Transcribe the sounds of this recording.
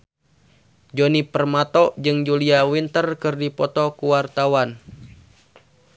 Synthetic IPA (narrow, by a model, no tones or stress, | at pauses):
d͡ʒonipərmat̪ɔd͡ʒɨŋd͡ʒuliawint̪ərkɨrdipɔt̪ɔkuwart̪awan